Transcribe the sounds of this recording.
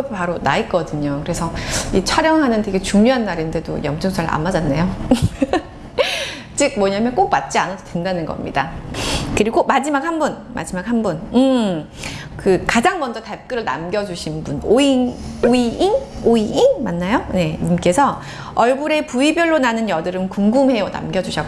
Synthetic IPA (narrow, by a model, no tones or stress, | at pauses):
paɾonaik͈ʌdɯɲokɯɾe̞sʰʌit͡ɕʰʌɾjʌŋɦanɯnte̞ɡe̞t͡ɕuŋɲoɦanːaɾinde̞do̰jʌmt͡ɕʰɯŋsʰaɾɯa̰mad͡ʑanːejo | t͡ɕ͈ɯk̚mwʌɲamjʌnk͈ok̚mat̚t͡ɕ͈ianasʰodwendanɯnɡʌ̰mɲḭdakɯɾiɡomad͡ʑimak̚hanbun | ma̰d͡ʑimak̚hanbunɯ | kɯkad͡ʑaŋmʌnd͡ʑʌtap̚k͈ɯɾɯɭna̰mɡjʌd͡ʑuɕʰinbunoinoiʔinoiʔinmanːajone̞ɲimk͈e̞sʰʌ | ʌɭɡuɾe̞puibjʌɭːonanɯnjʌdɯɾɯmkuŋɡumɦe̞jʌna̰mɡjʌd͡ʑuɕʰʌɡ